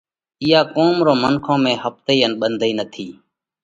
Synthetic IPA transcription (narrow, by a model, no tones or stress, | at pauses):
ɪːaːkoːmɾoːmənkʰõːmẽːhəp̚t̪əiːənɓənd̪ʱiːnət̪ʰiː